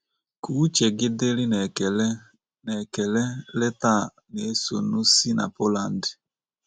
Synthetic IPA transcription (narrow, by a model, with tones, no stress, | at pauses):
ku˨˦t͡ʃɛ˨ɡɪ˦dɪ˦lɪ˦nɛ˨l | nɛ˨kɛ˨lɛ˦lɛ˦ta˦˨ | ne˨˦so˨nu˦si˦na̰˨po˦la˨ndɪ˨